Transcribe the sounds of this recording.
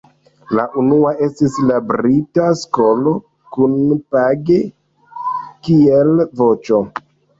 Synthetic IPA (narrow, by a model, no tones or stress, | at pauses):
laʔunuae̞stislabɾitasko̞lo̞ | kunpaɡe̞ | kielvo̞t͡ʃo̞